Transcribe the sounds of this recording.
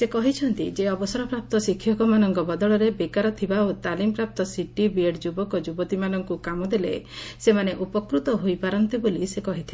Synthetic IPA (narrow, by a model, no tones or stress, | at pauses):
sekɔɦit͡ʃʰɔnt̪id͡ʒeɔbɔsɔɾɔpɾap̚t̪ɔsikʰːjɔkɔmanɔŋkɔbɔd̪ɔɭɔɾebekaɾɔt̪ʰibaot̪alimpɾap̚t̪ɔsiʈibieɽd͡ʒubɔkɔd͡ʒubɔt̪imanɔŋkukamɔd̪elḛsemaneʔupɔkɾut̪ɔɦojpaɾɔnt̪ibolisekɔɦit̪ʰi